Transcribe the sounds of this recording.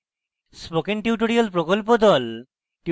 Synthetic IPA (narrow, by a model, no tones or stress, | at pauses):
spokenʈiuʈoɾialpɾokolp̬od̪ɔl | ʈi